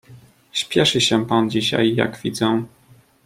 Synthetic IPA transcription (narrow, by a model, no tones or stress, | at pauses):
ɕpʲjɛʂɘɕɛpand͡ʑiɕa̰jːa̰ɡvʲid̪zɛ